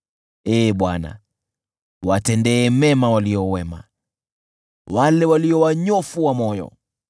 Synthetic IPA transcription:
ɛːɓwana̰ | watɛndɛːmɛmawaliɔwɛma̰ | walɛwaliɔwaɲɔfuwamɔjɔ̰

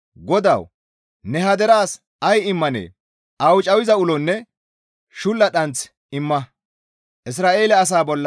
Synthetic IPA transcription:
ɡɔd̪ɐ̰w | nɛɦɐd̪ɛɾaːs | ɐjɪmːɐnḛː | ʔɐwt͡ʃʼɐwɪzɐʊlɔnːɛ | ʃʊlːɐɗɐnt͡s | ɪmːɐ | ʔɪs̬ɾaːʔe̞ːlɛːs̬aːbɔlːɐ

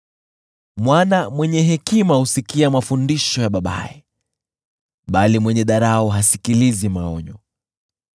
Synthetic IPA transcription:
mwanamwɛɲɛɦɛkimahusikiamafundiʃɔjaɓaɓa̰ɛ | ɓalimwɛɲɛɗaɾaɔɦasikilizimaɔɲɔ

